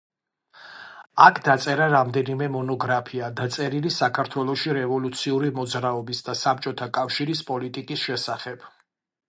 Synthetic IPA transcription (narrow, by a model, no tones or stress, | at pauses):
akʰd̪at̪sʼɛɾaɾamd̪ɛnimɛmɔnɔɡɾapʰiad̪at̪sʼɛɾilisakʰaɾt̪ʰwɛlˠɔʃiɾɛvɔlut̪sʰiuɾimɔd̪zɾaɔbisd̪asapt͡ʃʼɔt̪ʰakʼafʃiɾispʼɔlit̪ʼikʼisʃɛsaχɛb̥